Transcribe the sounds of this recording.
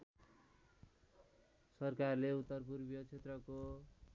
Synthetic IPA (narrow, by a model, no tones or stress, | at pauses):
sʌrkarleut̪ːʌrpurbijʌt͡sʰet̪rʌko